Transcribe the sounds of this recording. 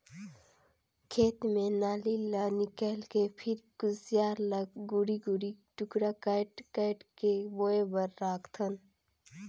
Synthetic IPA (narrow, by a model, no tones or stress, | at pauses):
kʰeːt̪mẽnaːlilanɪkəːlkepʰɪɾɡ̥ʊzijaːɾlɐɡɡʊɽiɡuɽiʈʊkɽakaʈkaɪʈkeboːebəɾːaːkʰt̪ʰən